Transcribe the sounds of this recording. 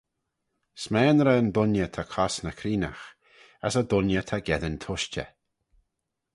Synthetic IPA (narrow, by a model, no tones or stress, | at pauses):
smɛːnɾəəndʊnjət̪ʰakʰɔsnəkʰɾiːna̰x | asəd̪ʊnjət̪ʰaɡɛðənt̪ʰʊʃt͡ʃə̰